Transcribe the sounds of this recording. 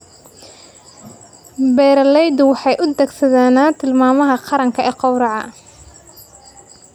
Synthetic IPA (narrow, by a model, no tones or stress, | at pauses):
bɛːɾɐlɛjd̪ʊwɑħɑjʔʊd̪ɛɡsɐðaːnaːt̪ʰɪlmaːmɐɦɐqɑɾɐŋkʰɐʔɛːqɑwɾɑʕɑ̰